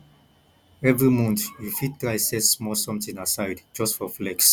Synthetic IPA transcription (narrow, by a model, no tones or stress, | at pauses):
ɛvɹimũnθjufit̚tʰɹajsɛtsmɔsʌ̃mtĩŋasaɪdd͡ʒʌstfɔflɛks